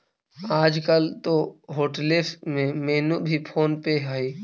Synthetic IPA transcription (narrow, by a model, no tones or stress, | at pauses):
aːd͡ʒkəlt̪oɦoːʈəlesmẽmeːnubʱipʰoːnpeɦai